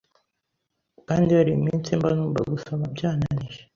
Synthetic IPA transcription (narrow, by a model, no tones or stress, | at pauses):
kaːndiaɾiimint͡simbanuːmba̰ɡusomabɟaːnaniʒe